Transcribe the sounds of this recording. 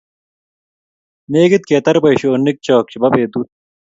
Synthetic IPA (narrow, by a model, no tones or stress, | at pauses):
meːɡit̪̚keːt̪ɐɾbɐiɕoːnːik̚t͡ɕoːk̚t͡ɕibɐbeːd̪uːt̪̚